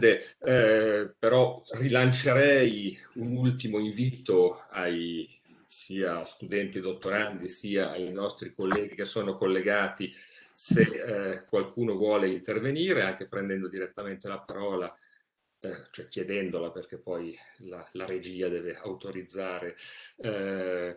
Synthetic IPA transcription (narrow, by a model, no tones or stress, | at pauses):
d̪e | peɾɔrilant͡ʃeɾɛjunult̪imoiɱviːt̪oaj | siːast̪ud̪ɛnt̪id̪ot̪ːoɾand̪isiːaajnɔst̪ɾikolːɛːɡikesːoːnokolːeɡaːt̪isekwalkuːnovwɔːleint̪erveniːɾeaŋk̟epɾend̪ɛnd̪od̪iɾet̪ːament̪elapaɾɔːla | t͡ʃoɛkjed̪ɛnd̪olaperkepːɔjlalaɾed͡ʒiːad̪ɛːveawt̪oɾid̪zːaːɾe